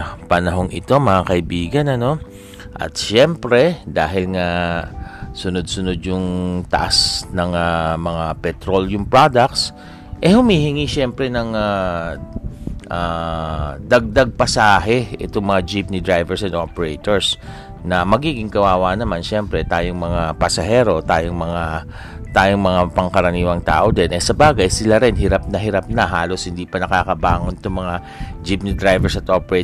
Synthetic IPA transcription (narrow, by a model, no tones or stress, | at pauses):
pɐnɐɦo̞ŋʔɪt̪o̞mɐŋakɐʔɪbiːɡɐnɐno̞ | ʔɐ̰t̪ʃɛmpɾɛd̪aːɦɪlŋɐ | sʊnod̪̚sʊno̞d̪̚jʊŋt̪ɐʔasnɐŋamɐŋapɛt̪ɾoljʊŋpɹad̪ɐk̚t̪s | ʔɛhʊmiːhɪŋiʃɛmpɾɛnɐŋa | ʔa | d̪ɐɡ̚d̪aɡ̚pɐsaːɦɛʔɪt̪oŋmɐŋad͡ʒɪp̚nɪd̪ɹajvɛɹsɐd̪ʔopɛɹɛjt̪oɹs | nɐmɐɡiːɡɪŋkɐwaːwanɐmanʃɛmpɾɛt̪aːjoŋmɐŋapɐsɐɦɛːɾo̞t̪aːjoŋmɐŋa | t̪aːjoŋmɐŋapɐŋkɐɾɐniːwɐŋt̪a̰ːʔod̪ɛnʔɛsɐbaːɡɐjsɪlaɾɪnhɪɾap̚nɐɦɪɾap̚nɐɦaːlo̞shɪnd̪iːpɐnɐkaːkɐbaːŋont̪oŋmɐŋa | d͡ʒip̚nɪd̪ɾajvɛɹsɐt̪ʔoːpɛɾɛt̪